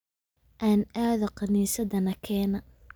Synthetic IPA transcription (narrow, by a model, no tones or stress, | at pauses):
ʔaːnaːðɐqɑniːsɐðɐnɐkʰɛːnɐ